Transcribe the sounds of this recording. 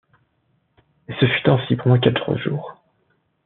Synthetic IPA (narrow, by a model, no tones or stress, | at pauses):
esəfyt̪ɑ̃sipʁmwɛ̃kat̪ʁə̰ʒṵːʁ